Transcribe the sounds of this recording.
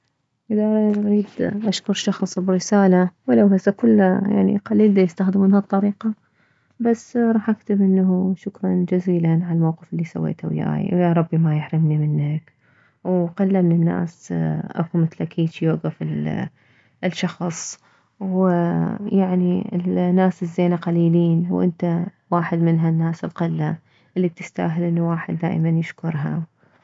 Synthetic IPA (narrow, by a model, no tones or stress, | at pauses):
ʔɪðaʔɾiʔaɾiːd̪ʔaʃkʊɾˤʃɑxsˤbɪɾɪsaːlawɪlawhasakʊlːaja̰ʕnḭqaliːld̪ajɪst̪axd̪ɪmɪnhat̪ˤːɑɾiːqɑ | basːɾˤɑːħʔakt̪ɪbʔɪnːahuʃʊkɾˤɑnd͡ʒaziːlanʕaalmawqɪfɪlːisa̰wːḛːt̪ʰa̰wja̰ːj̰wjaɾˤɑbːimajɪħɾɪmnimɪnːak | wqalːamɪnɪnːa̰ːsʔa̰kumɪt̪lakʰiːt͡ʃjoʔɡafɪl | lʃɑxsˤ | w | jaʕniɪ̰lnːaːsɪzːeːnaqaliːliːnwʔɪ̰nt̪a | waːħɪd̪mɪnɦanːaːsɪlqɪlːa | ʔɪlːit̪ɪst̪a̰ːɦɪlʔɪnːuwaːħɪd̪ːa̰ːʔmanjɪʃkʊɾˤɦa̰